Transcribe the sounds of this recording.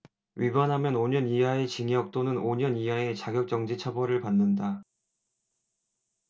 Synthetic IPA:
ɥibanɦamjʌnoɲʌniɦaet͡ɕiŋiʌk̚t͈onɯnoɲʌniɦae̞t͡ɕaɡjʌk̚t͡ɕ͈ʌŋd͡ʑit͡ɕʰabʌɾɯɭpanːɯnda

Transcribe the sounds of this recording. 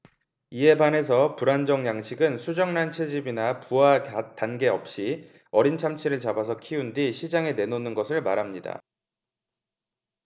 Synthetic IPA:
iɦe̞bane̞s̬ʰʌpuɾand͡ʑʌŋjaŋɕʰiɡɯnsʰud͡ʑʌŋnant͡ɕʰe̞d͡ʑibinapuatanɡe̞ʌp̚ɕ͈i | ʌɾint͡ɕʰamt͡ɕʰiɾɯɭt͡ɕabas̬ʰʌkʰiundiɕʰid͡ʑaŋe̞ne̞nonɯnɡʌsʰɯɭmaɾɦamɲida̰

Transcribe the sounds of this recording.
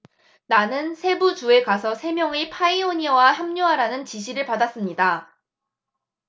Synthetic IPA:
nanɯnsʰe̞but͡ɕue̞kasʰʌsʰe̞mjʌŋepʰaioɲiwaçjamɲuɦaɾanɯnt͡ɕiɕʰiɾɯɭpadas͈ɯmɲida

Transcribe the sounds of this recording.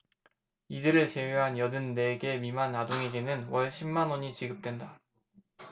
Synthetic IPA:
idɯɾɯɭt͡ɕe̞weɦanjʌdɯnːe̞ɡe̞mimanːadoŋe̞ɡenɯnwʌɭɕʰimːanwʌɲit͡ɕiɡɯp̚t͈we̞nda

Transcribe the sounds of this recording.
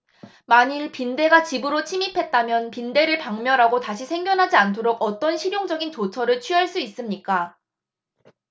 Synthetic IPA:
maɲiɭpinde̞ɡat͡ɕibɯɾot͡ɕʰimipʰe̞t̚t͈amjʌnpinde̞ɾɯɭpaŋmjʌɾɦaɡotaɕʰisʰe̞ŋɡjʌnɦad͡ʑiantʰoɾoɡʌt͈ʌnɕʰiɾjoŋd͡ʑʌɡint͡ɕot͡ɕʰʌɾɯɭt͡ɕʰɥiɦaɭs͈uis͈ɯmɲik͈a

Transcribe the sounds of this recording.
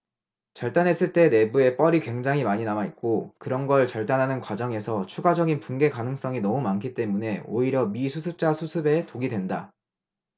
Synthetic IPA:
t͡ɕʌɭt͈anɦe̞s͈ɯɭt͈e̞ne̞bue̞p͈ʌɾikwe̞ŋd͡ʑaŋɦimaɲinamait̚k͈okɯɾʌnɡʌɭt͡ɕʌɭt͈anɦanɯnkwad͡ʑʌŋe̞sʰʌt͡ɕʰuɡad͡ʑʌɡinpunɡe̞kanɯŋs͈ʌŋinʌmumankʰit͈e̞mune̞o̰iɾjʌmisʰusʰɯp̚t͡ɕ͈asʰusʰɯbe̞toɡidwe̞nda

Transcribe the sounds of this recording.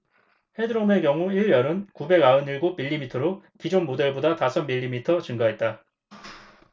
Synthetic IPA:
he̞dɯɾome̞kjʌŋuiɭːʌɾɯnkube̞ɡaɯniɭɡomiʎːimitʰʌɾokid͡ʑonmodeɭbodatasʰʌmːiʎːimitʰʌt͡ɕɯŋɡaɦe̞t̚t͈a

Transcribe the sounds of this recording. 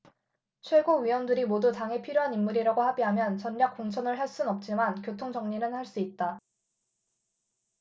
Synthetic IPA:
t͡ɕʰwe̞ɡoɥijwʌndɯɾimodutaŋɦe̞pʰiɾjoɦanimːuɾiɾaɡohabiɦamjʌnt͡ɕʌnːjak͈oŋt͡ɕʰʌnɯɭɦaɭs͈unʌp̚t͡ɕ͈imankjotʰoŋd͡ʑʌŋɲinɯnhaɭs͈uit̚t͈a

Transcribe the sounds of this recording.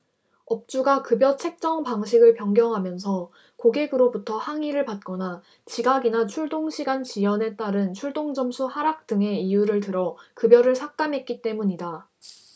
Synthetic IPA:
ʌp̚t͡ɕ͈uɡakɯbjʌt͡ɕʰe̞k̚t͡ɕ͈ʌŋpaŋɕʰiɡɯɭpjʌŋɡjʌŋɦamjʌns̬ʰʌ | koɡe̞ɡɯɾobutʰʌhaŋiɾɯɭpat̚k͈ʌna | t͡ɕiɡaɡinat͡ɕʰuɭdoŋɕʰiɡant͡ɕijʌne̞t͈aɾɯnt͡ɕʰuɭdoŋd͡ʑʌmsʰuhaɾak̚t͈ɯŋe̞ijuɾɯɭtɯɾʌkɯbjʌɾɯɭsʰak̚t͈amɦe̞t̚k͈it͈e̞muɲida

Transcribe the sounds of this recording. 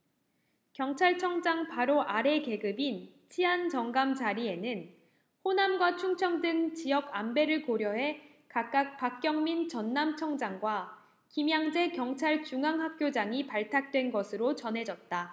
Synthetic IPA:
kjʌŋt͡ɕʰaɭt͡ɕʰʌŋd͡ʑaŋpaɾoʔaɾe̞ke̞ɡɯbint͡ɕʰiɦant͡ɕʌŋɡamt͡ɕaɾie̞nɯn | honamɡwat͡ɕʰuŋt͡ɕʰʌŋdɯŋt͡ɕijʌɡambe̞ɾɯɭkoɾjʌɦe̞ | kak̚k͈ak̚pak̚k͈jʌŋmint͡ɕʌnːamt͡ɕʰʌŋd͡ʑaŋɡwa | kimjaŋd͡ʑe̞kjʌŋt͡ɕʰaɭt͡ɕuŋaŋɦak̚k͈jod͡ʑaŋipaɭtʰak̚t͈we̞nɡʌsʰɯɾot͡ɕʌnɦe̞d͡ʑʌt̚t͈a

